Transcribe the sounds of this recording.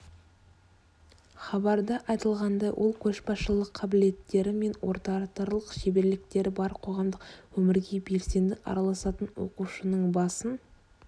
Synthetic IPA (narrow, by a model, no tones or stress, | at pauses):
χɑbɑɾd̪əʔɑjt̪əlˠʁɑnd̪ɑjwʔo̞̰lˠkʲʰɵʃbɑsʃəlˠəqʰːɑbɪle̞t̪ːe̞ɾɪme̞nwo̞̰ɾt̪ɑt̪ɑɾlˠəqʃe̞be̞ɾlɪk̚t̪e̞ɾɪbɑɾqʰo̞ʁɑmd̪əqwɵmɪɾɡʲe̞be̞lse̞nd̪ɪʔɑ̰ɾɑlˠɑsɑt̪ənwo̞̰quʃənəɴbɑsən